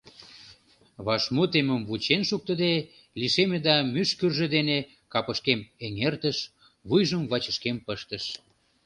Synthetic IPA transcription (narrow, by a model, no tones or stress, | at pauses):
βɑʃmot̪eməmβut͡ɕenʃuk̚t̪əd̪e | liʃemed̪ɑmyʃkyrʒĕd̪ene | kɑpəʃkemeŋert̪əʃ | βujʒəmβɑt͡ɕəʃkempəʃt̪ə̆ʃ